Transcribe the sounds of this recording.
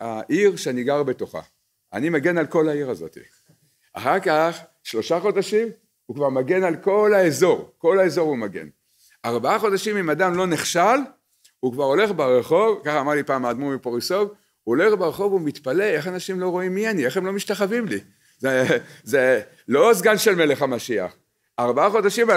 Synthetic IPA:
aʔiʁʃeaniɡaʁbe̞to̞χa̰ | a̰nimaɡe̞nalko̞laiʁazo̞̰t̪ḭ | a̰χakaχ | ʃlo̞ʃaχo̞daʃim | hukvaʁmaɡe̞nalko̞laezo̞ʁko̞laezo̞ʁumaɡe̞̰n | aʁbaaχo̞daʃimimadamlo̞neχʃal | ukvaʁo̞le̞χbeʁeχo̞vkaχaːmaʁlipaːmad̪mumipoʁiso̞v | uole̞χbeʁeχo̞vumit̪pale̞e̞χanaʃimlo̞ʁo̞imːianieχemlo̞miʃtaχavimli | zeze | lo̞zɡanʃe̞lme̞le̞χamaʃia̰χ | aʁbaaχo̞daʃim

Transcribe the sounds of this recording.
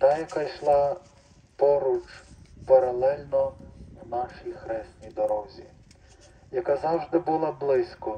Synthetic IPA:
t̪ɑjɐkajʃlˠɑ | pɔɾut͡ʃpɐɾɐlˠɛlʲnɔwnɑʃijxɾɛsʲt̪nʲijd̪ɔɾɔzʲi | jɐkazɑwʒd̪ɪbʊlˠablˠɪsʲkɔ

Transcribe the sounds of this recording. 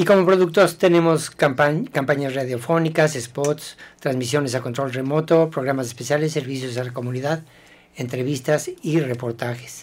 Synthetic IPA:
iko̞mo̞pɾo̞ðuk̚t̪ost̪e̞nẽ̞mo̞skaakampaɲasraðjo̞fo̞nikasespot̪st̪ɾanzmisjo̞ne̞sako̞nt̪ɾo̞lre̞mo̞t̪o̞pɾo̞ɣ̞ɾamas̬espe̞sjale̞sːe̞ɾβis̬jo̞s̬alako̞muniðað | e̞nt̪ɾe̞βist̪asire̞po̞ɾt̪axe̥s

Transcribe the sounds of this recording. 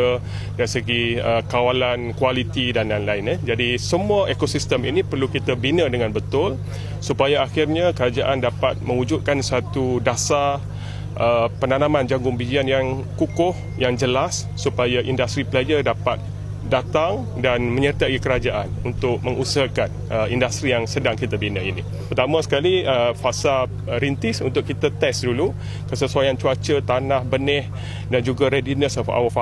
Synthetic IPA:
ə | daɾisəɡiəkawalankwalit̪idanlanlaɪnəd͡ʒadisəmuaʔekosist̪əmḭnĩpərlukit̪abinədəŋanbət̪ʊl | supajaaxɪrɲakəɾad͡ʒaʔandapat̪̚mə̃ŋud͡ʒʊt̪̚kansat̪udasa | ʔəpənanãmãnd͡ʒaŋɡʊŋbid͡ʒianjaŋ | kukʊh | jaŋd͡ʒəlasːupajaʔindast̪ɾipəlad͡ʒədapat̪̚ | dat̪aŋ | danmə̃ɲərt̪aikəɾad͡ʒaʔa̰nunt̪ʊk̚mə̃ŋusəakan | əindast̪ɾijaŋsədaŋkit̪abinaini | pərt̪amãsə̥kaliəfasa | ɾint̪ɪsṵnt̪ʊkit̪at̪ɛsdulu | kəsəsuajant͡ʃuat͡ʃət̪anahbənɛh | dand͡ʒuɡaɾedinəsɔfa̰wafa

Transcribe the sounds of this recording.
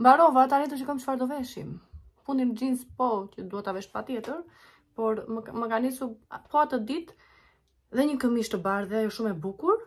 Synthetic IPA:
mbaɾɔvat̪aɾɛt̪̬əʃ̬ikamʃfaɾd̪ɔvɛʃḭm | fund̪ind͡ʑinspɔcəd̪uhɛt̪avɛʃpat̪jɛt̪əɾ | pɔɾməkanisupɔat̪əd̪it̪ | ðɛɲəkəmiʃt̪əbaɾðɛajɔʃumɛbukuɾ

